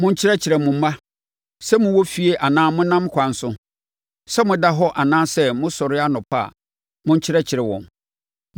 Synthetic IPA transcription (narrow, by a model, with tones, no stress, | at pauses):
mʊ̃˦ɲ̩˦t͡ɕʰɪ˦ɾɛ˦t͡ɕʰɪ˨ɾɛ˨mʊ̃˨˦mã˦ | sɛ˦mʊ̃˨wɔ˦fi˨e˦ʔa˨nãː˦mʊ̃˦nã˦m˦kʷʰã˨n̩˦sʊ̃˦ | sɛ˦mʊ̃˨da˦ɦɔ˦ʔa˨nãː˦sɛ˦mʊ̃˦sɔ˨ɾɪ˦a˦nʊ̃˨pʰa̰˦˨ | mʊ̃˦ɲ̩˦t͡ɕʰɪ˦ɾɛ˦t͡ɕʰɪ˨ɾɛ˨wɔ̰̃˨n